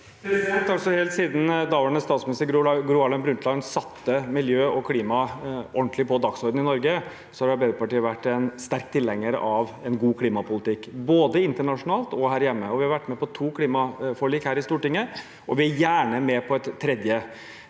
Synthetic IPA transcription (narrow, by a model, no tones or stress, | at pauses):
ɛt̪ːɑlsɔhɛːlt̪siːd̪n̩d̪ɑːʋəɳəst̪ɑːt̪smɪnɪst̪əɡɾʊɑlɛnbɾʉnt̪lɑɪnsɑt̪ʰːəmɪljøːɔkʰliːmɑɔɳʈ̪lɪpʰɔd̪ɑksɔɾd̪n̩ɪnɔɾɡə | sɔhɑɾɑbeːʉpɑʈiːəʋæʈːɛnst̪æɾk̚t̪ʰːɪlːɛŋːəɾə̰ʔɑʋɛnɡuːkʰliːmɑpʊlɪt̪ɪkːboːd̪əɪnt̪əɳɑʂʊnɑːlt̪ɔhæːɾjɛmːəɔʋɪhɑɾʋæʈːmɛpɔt̪ʰuːkʰliːmɑfɔɭiːkhæːɾɪst̪uːʈɪŋːə | ʔɔʋɪæjæːɳəmɛpʰɔɛt̪ʰːɾɛd̪jə